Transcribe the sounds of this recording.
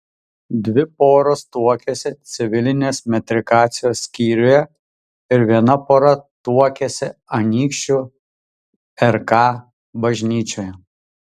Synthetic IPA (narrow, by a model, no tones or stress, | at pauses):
d̪ʲʋʲɪpoːɾoːst̪uɔkʲesʲɪt̪sʲɪʋʲɪlʲɪnʲeːsmʲɛt̪ʲɾʲɪkaːt̪sʲɪjoːsːʲkʲiːɾʲʊjɛ | ɪɾʋʲiɛnɐpoːɾɐt̪uɔkʲesʲɪɐnʲiːkʃʲt͡ʃʲu | ɛɾkɑː | bɐʒʲnʲiːt͡ʃʲoːjɛ